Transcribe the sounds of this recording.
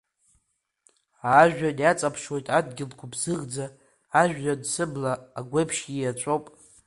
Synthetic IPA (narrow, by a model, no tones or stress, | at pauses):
aʒᶣadjat͡sʼapʰʂwe̞jtʼadɡʲɪlkʷʰabzɨʁd͡zaː | ʒᶣːadsɨblaːɡʷepʰʃijat͡ʃʷʼowpʼ